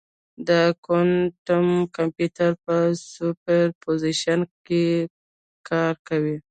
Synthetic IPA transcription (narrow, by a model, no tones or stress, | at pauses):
d̪əkonʈamkampjut̪aɾpəsupeɾpoziʃanke | kɑɾkawi